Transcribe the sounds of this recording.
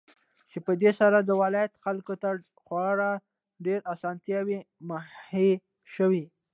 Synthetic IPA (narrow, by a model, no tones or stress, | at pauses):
t͡ʃepəd̪esaɾad̪əwɪlɑjat̪xalkot̪a | xwɑɽa | ɖeɾasɑnt̪jɑwi | mahhe | ʃəwi